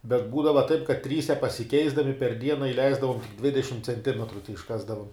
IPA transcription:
bʲɛt ˈbuːdɐʋɐ tɐɪp kɐt ˈtʲrʲiːsʲɛ pɐsʲɪˈkʲɛɪzdɐmʲɪ pʲɛr ˈdʲiɛnɐ ɪˈlʲɛɪzdɐʋoːm ˈdʲʋʲɪdʲɛʃʲɪm t͡sʲɛnʲˈtʲɪmʲɛtrʊ tʲɛɪʃˈkɑːzdɐʋoːm

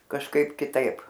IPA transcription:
kɐʃˈkɐɪp kʲɪˈtɐɪp

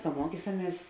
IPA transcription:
kɐ ˈmuɔkʲiːsɐˌmʲiɛs

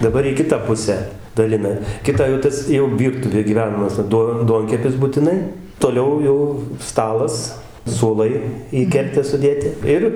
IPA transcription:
dɐˈbɐr iː ˈkʲɪtɑː ˈpʊsʲæː dɐˈlʲɪnɐ ˈkʲɪtɑː jɛʊ ˈtɐs jɛʊ ˈʋʲiːrtʊʋʲeː ɡʲiːˈʋʲæːnɐmɐs ˈduɔ ˈduɔŋʲkʲɛpʲɪs bʊtʲɪˈnɐɪ toːˈlʲɛʊ ˈjɛʊ ˈstɑːlˠɐs suɔˈlˠɐɪ iː ˈkʲɛrʲtʲæː sʊˈdʲeːtʲɪ ˈɪr

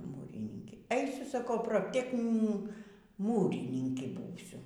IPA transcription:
ˈmuːrʲɪnʲɪŋʲkʲeː ˈɛɪsʲʊ sɐˈkɐʊ proːpʲˈtʲæːknʲɪn ˈmuːrʲɪnʲɪŋʲkʲɪ ˈbuːsʲʊ

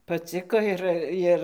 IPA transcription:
pɐˈt͡sʲɪkoː ɪr ˈjɪr

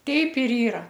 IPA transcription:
ˈtʲɛɪp ɪr ˈiːrɐ

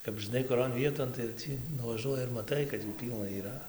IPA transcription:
kɐp ʒɨˈnɐɪ kʊˈroːn ˈʋʲiɛtoːn tɐɪ jɛʊ ˈtʲiː nʊʋɐˈʒuɔjɪ ɪr mɐˈtɐɪ kɐt juː ˈpʲiːlˠnɐ iːˈrɐ

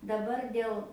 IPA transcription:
dɐˈbɐr ˈdʲeːlˠ

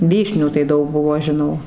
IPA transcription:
ˈʋʲiːʃʲnʲuː tɐɪ ˈdɐʊk ˈbʊʋoː ʒʲɪˈnɐʊ

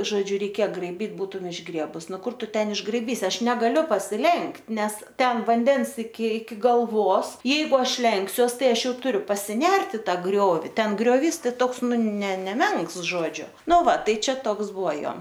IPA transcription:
ʒoːˈd͡ʒʲʊ rʲɛɪˈkʲeːjɛ ɡrɐɪˈbʲiːt ˈbuːtʊm ɪʒˈɡrʲiɛbʊs ˈnʊ ˈkʊr ˈtʊ ˈtʲɛn ɪʒɡrɐɪˈbʲiːsʲɪ ˈɐʃ nʲɛɡɐˈlʲʊ pɐsʲɪˈlʲɛŋktʲ ˈnʲɛs ˈtʲɛn ʋɐnʲˈdʲɛns ɪkʲɪ ɪkʲɪ ɡɐlˠˈʋoːs ˈjɛɪɡʊ ˈɐʃ ˈlʲɛŋksʲuɔs ˈtɐɪ ˈɐʃ ˈjɛʊ tʊˈrʲʊ pɐsʲɪˈnʲɛrt ɪ ˈtɑː ˈɡrʲoːʋʲɪ ˈtʲɛn ɡrʲoːˈʋʲiːs ˈtoːks ˈnʊ nʲɛ nʲɛˈmʲɛŋks ˈʒoːd͡ʒʲʊ ˈnʊ ˈʋɐ ˈtɐɪ ˈt͡ʃʲɛ ˈtoːks ˈbʊʋoː ˈjoː

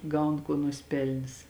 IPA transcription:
ˈɡɐʊn ˈkuɔ nʊsʲɪˈpʲɛlʲnʲɪs

